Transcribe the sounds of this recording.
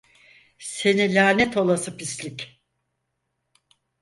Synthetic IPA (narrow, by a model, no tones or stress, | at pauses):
se̞nilʲaːnɛt̪ʰo̞lˠasɯpislʲic